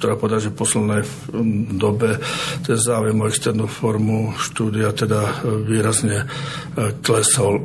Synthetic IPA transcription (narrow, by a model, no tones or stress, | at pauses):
t̪ɔɾaːpɔʋɛd̪aʒɛfpɔslɛd̪nɛj | d̪ɔbɛt̪ɛd̪zaːʊjɛmɔɛkst̪ɛɾnufɔɾmuʃt̪uːd̪iat̪ɛd̪aʋiːɾazɲɛ | klɛsɔl